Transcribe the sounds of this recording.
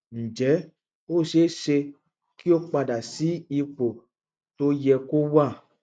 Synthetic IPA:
n̩˨d͡ʒɛ˨˦ | o˦˨ʃe˨˦˨ʃe˧ | ki˦o˦k͡pa˧da˨si˨˦i˧k͡po˨ | to˦jɛ˧ko˦wa˦˨

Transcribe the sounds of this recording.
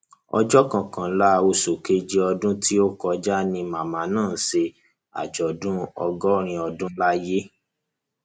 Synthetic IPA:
ɔ̰˧d͡ʒɔ˦kã˨kã˨˦la˦˧o˧so˨ke˦d͡ʒi˦ɔ˧dũ˦ti˦o˦kɔ˧d͡ʒa˦nĩ˧mã˨mã˨˦nãː˦˨se˧ | a̰˨d͡ʒɔ˨dũ˦ɔ̰˧ɡɔ˦ɾ̃ĩ˧ɔ˧dũ˦la˦je˦

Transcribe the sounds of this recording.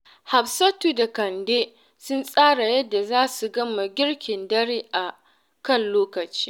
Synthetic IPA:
ha˨ɸsɐ˦tuː˨da˨kɐ˨ndeː˦ | sʊ˦nsʼaː˦ɽa˨jɐ˦dːa˨zaː˦su˨ɡɐ˦ma˨ɡʲɪ˦ɽkʲɪ˨ndɐ˦ɽeː˦ʔa˨ | kɐ˦˨nloː˦kɐ˨t͡ʃiː˦

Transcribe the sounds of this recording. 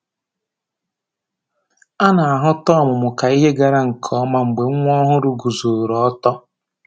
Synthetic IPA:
a˦na˨a˨ɦʊ˦tɔ˦˨mʊ˨mʊ˨ka˨i˦ɦe˦ɡa˨ɾa˨ŋ̩˨kʰɔ˦ma˦ŋ͡m̩˨ɡ͡be˨˦ŋʷ˦ɔ˦ɦʊ˦ɾʊ˦ɡu˨zo˨ɾɔ˨ɔ˦tɔ˦

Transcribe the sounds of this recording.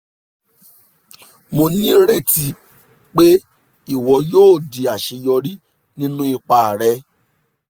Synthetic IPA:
mo˧nĩ˦ɾe˦˨ti˧ | k͡pe˦ | i˦˨wɔ˧˦joː˦˨di˨a˨ʃe˧jɔ˧ɾi˦ | nĩ˦nũ˦i˧k͡pa˧˨ɾɛ˧˦

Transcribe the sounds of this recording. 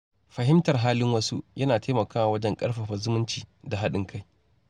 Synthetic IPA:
ɸɐ˨ɦɪ˦mtɐ˨rɦaː˦lɪ˦ŋwɐ˦sṵ˦jʔɐ˦naː˨tʰaː˦mɐ˨kaː˦wa˨wɐ˦d͡ʒɛ˦ŋkʼɐ˦rɸɐ˨ɸɐ˨zʊ˦mʊ˦nt͡ʃiː˨da˨ɦa˦ɗɪ˦ŋkʰa˦j

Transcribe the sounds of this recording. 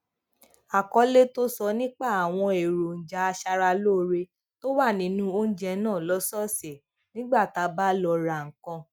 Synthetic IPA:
a˨kɔ˧˦le˦to˦sɔ˧nĩ˦k͡pa˦˨a˨w̃ɔ̃˧e˨ɾo˨n̩˨d͡ʒa˨˦a˧ʃa˧ɾa˧loː˦˨˧ɾe˧ | to˦wa˦˨nĩ˨˦nũ˦o˦n̩˦d͡ʒɛ˧˦nãː˦˨lɔ˦sɔ˦˨se˨ | nĩ˦ɡ͡ba˦˨ta˨˧˦ba˦lɔ˧ɾa˨ŋ̩˨kã˧

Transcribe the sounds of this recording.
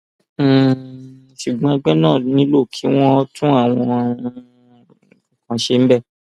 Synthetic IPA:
ʃu˨ɡ͡bɔ̃˧a˧ɡ͡bɛ˦nãː˦˨nĩ˦lo˦˨kʰi˨˦w̃ɔ̃˧˦tũ˦a˦˨w̃ɔ̃˧˨ | kã˨ʃe˧m̩˦bɛ˦˨

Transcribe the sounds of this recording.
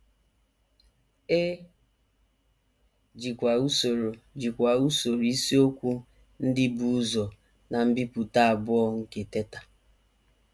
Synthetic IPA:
e˦ | d͡ʒi˨kʷa˨u˦so˨ɾo˨d͡ʒi˨kʷa˨u˦so˨ɾi˦si˦o˦kʷu˦ | n̩˦dɪ˦bu˨˦zɔ˨ | na˨m̩˦bi˦pu˨ta˦a˨bʊ˦ɔ˦ŋ̩˦ke˨te˦ta˨

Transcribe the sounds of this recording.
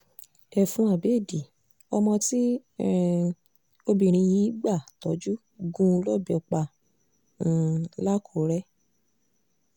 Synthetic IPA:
ɛ˨fũ˨˧a˨be˨˦˨di˨ | ɔ˧mɔ̃˧ti˦ | o˦bĩ˧˨ɾ̃ĩ˧ji˨˦ɡ͡ba˦˨tɔ˨˦d͡ʒu˦ | ɡũ˦˧lɔ˦˨bɛ˨k͡pã˧˨ | la˦kʰo˨˦ɾɛ˦

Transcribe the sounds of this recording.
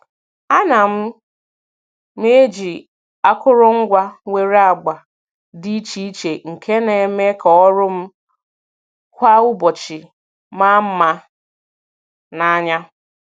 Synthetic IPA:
a˦na˨m̩˦ | m˦e˦d͡ʒi˨ | a˦kʊ˦ɾʊ˦ŋ̩˦ɡʷa˦ŋʷe˨ɾa˨ɡ͡ba˨ | di˦i˦t͡ʃi˦i˦t͡ʃe˨ŋ̩˨kʰe˦ne˨˦me˦kɔ˨ɔ˦ɾʊ˦m̩˦ | kʷa˦ʊ˦bɔ˨t͡ʃɪ˨ | ma˦m̩˦ma˦ | na˨˦ɲa˦

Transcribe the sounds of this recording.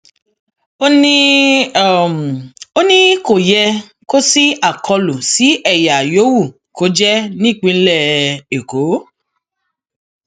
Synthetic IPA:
o˦nĩ˦˨ | m˨o˦nĩ˦ko˨jɛ˧ | ko˦si˦a˦˨kʰɔ˧lu˨si˨˦ɛ˦˨ja˨jo˨˦wu˦˨ | ko˨˦d͡ʒɛ˦nĩ˦˨k͡pĩ˧˦lɛ˦˨e˨ko˨˦

